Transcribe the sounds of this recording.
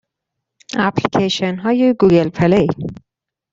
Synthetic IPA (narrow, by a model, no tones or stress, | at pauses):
aplikʰeʃenɦɔːjeɡuɡelpʰɛlej